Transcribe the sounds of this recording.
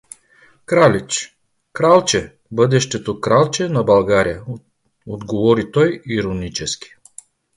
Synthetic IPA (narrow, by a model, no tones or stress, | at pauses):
kɾalʲit͡ʃ | kɾalˠt͡ʃɛ | bɤd̪ɛʃt̪ɛt̪okɾalˠt͡ʃɛnɐbɐlˠɡaɾijə | od̪ɡovɔɾit̪ɔjiɾonit͡ʃɛskʲi̥